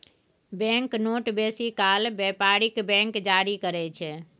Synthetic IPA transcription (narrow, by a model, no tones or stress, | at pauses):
bɛ̃ŋknoʈbesikalbɛpaɾikbɛ̃ŋkd͡ʒaɾikəɾɛt͡ʃʰɛ